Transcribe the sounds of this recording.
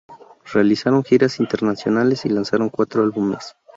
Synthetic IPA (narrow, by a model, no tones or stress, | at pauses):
re̞alisaɾo̞ŋxiɾasint̪eɾnasjo̞nale̞silansaɾo̞ŋkwat̪ɾoalβumes